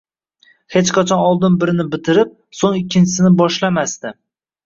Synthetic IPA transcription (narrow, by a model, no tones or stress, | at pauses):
het͡ʃqʰat͡ʃʰɒnɒlˠd̪ɪnbɪɾɪnɪbɪt̪ʰɪɾɪp̚ | soŋɪkʲʰːɪnt͡ʃʰɪ̥sɪnɪbɒʃlamast̪ɪ